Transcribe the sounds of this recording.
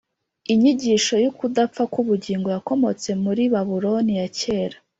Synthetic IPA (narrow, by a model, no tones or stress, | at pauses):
iɲiɟiʃo̞jukudapp͡fakuβuɟiːŋɡojako̞mo̞t͡se̞muɾiβaβuɾo̞nijace̞ːɾḁ